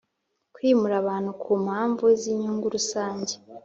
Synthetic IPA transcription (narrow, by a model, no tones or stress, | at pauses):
kwiːmuɾaβaːn̥hukʰuːm̥haːɱvuziɲuːŋɡuɾusaːɲɟe